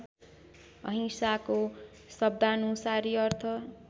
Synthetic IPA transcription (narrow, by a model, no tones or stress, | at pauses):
ʌ̰ɦĩsako | sʌb̚d̪ʱanusaɾiʌrt̪ʰʌ